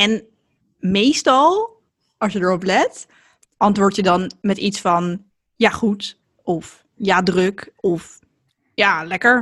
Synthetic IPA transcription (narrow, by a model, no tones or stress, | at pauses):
ɛn | mejstɑlˠ | ɑsjədəɹɔplɛt | ʔɑntʋʊːɹtjədɑnmɛtitsfɑn | jaːχut | ɔf | jaːdrɵkɔf | jaːlɛkəɹ